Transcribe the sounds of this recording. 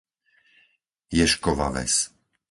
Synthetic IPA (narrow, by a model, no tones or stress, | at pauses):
jɛʃkɔʋa̰ʋɛ̰s